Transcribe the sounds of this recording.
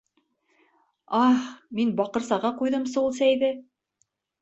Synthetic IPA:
ɑχminbɑqɤ̆ɾsɑʁɑqujðɤmsulˠsæjðɘ

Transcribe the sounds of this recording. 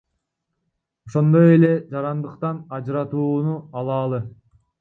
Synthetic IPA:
oʃo̞nd̪o̞je̞le̞d͡ʒɑɾɑnd̪ɯqt̪ɑnɑd͡ʒɾɑt̪uːnuɑlˠɑːlˠɯ

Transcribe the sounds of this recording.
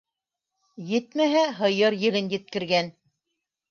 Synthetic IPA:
jɘt̪mæɦæɦɤ̆jɤɾjɘ̆lɘnjɘ̆t̪̚kɘ̆ɾɡæn

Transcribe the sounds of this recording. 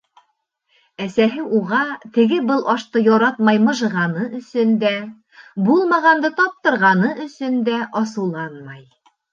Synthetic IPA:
æsæɦɘʔuʁɑt̪ɘ̆ɡɘbɤlˠʔɒʃt̪ɤjɒɾɑt̪mɑjmɤ̆ʒɤ̆ʁɑnɤɵ̆sɵnd̪æ | bulˠmɑʁɑnd̪ɤt̪ɒp̚t̪ɤ̆ɾʁɑnɤʔɵ̆sɵnd̪æʔɒsɤ̆wlˠɑnmɑj

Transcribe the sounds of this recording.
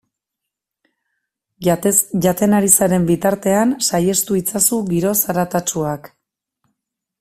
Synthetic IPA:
ʝat̪e̞naɾisaɾe̞mbit̪aɾt̪e̞ansaje̞st̪uit͡sasuɡiɾo̞saɾat̪at͡ʃuak

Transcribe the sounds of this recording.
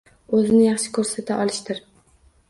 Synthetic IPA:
ɵzɪnɪjɑχʃɪ̥kʰɵɾsat̪ʰaʔɒlɪʃt̪ɪɾ

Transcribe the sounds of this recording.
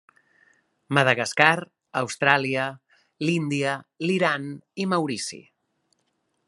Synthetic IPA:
məðəɣaskaɾ | əwst̪ɾaliə | lind̪iəliɾanimawɾisḭ

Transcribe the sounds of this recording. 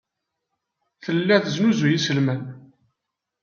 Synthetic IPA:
θəlːæθəznuzujisəlmæn

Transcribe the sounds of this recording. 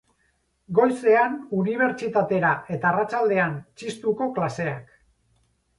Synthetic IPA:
ɡo̞jse̞anuniβ̞e̞ɾt͡ʃit̪at̪e̞ɾaʔe̞t̪arat͡ʃald̪e̞ant͡ʃist̪uko̞klase̞ak

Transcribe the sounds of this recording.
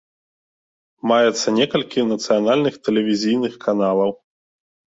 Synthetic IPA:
majɛt̪sːɐnʲɛkɐlʲkʲinɐt̪sɨjanalʲnɨxt̪ɛlʲɛvʲizʲijnɨxkʰanalˠɐw

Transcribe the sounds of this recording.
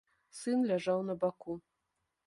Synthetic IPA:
sɨnlʲaʐawnɐbaku

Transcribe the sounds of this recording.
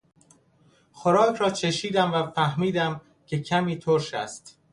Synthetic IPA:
xoɾɒːkʰɾɒːt͡ʃʰeʃiːd̪æmvæfæhmiːd̪æm | cʰe̞cʰæmiːt̪ʰoɾʃæ̰st̪

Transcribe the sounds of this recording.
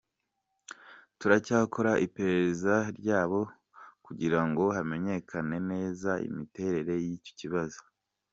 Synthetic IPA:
tuɾacaːkʰo̞ɾaʔipe̞ɾe̞ɾezaɾɟaːβo̞ | kuɟiɾaŋɡo̞ɦame̞ɲe̞kʰane̞ne̞ːzaḭmite̞ɾe̞ɾe̞jico̥ciβazo̥

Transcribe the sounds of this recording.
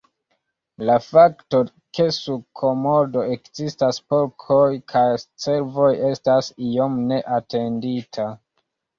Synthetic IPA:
lafakto̞ | ke̞sukʰo̞modo̞ekzistaspo̞ɾkʰo̞jkʰajt͡se̞ɾvo̞je̞stasio̞mne̞ʔate̞nditʰa

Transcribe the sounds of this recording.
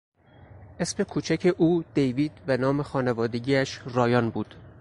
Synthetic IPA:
ʔesme̞kʰuːt͡ʃʰæcʰeʔuːd̪̥ejviːd̪̥vænɒːme̞xɒːnevɒːd̪eɟiːæʃɾɒːjɒːnbuːd̪̥

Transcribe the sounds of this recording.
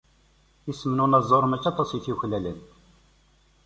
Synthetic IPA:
isəmnunɑzˤoɾˤmæt͡ʃːɑt̪ˤɑsjiθiçlælən

